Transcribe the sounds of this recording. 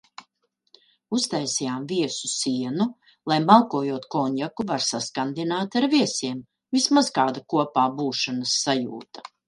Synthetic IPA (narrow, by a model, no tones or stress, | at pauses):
ust̪ajsijaːmviɛsusiɛnu | lˠajmalˠkuɔjuɔt̪kɔɲʲjakuvaɾsaskand̪inaːt̪aɾviɛsiɛm | vismaz̥kaːd̪akuɔpaːbuːʃanɐsːajṵːt̪ḁ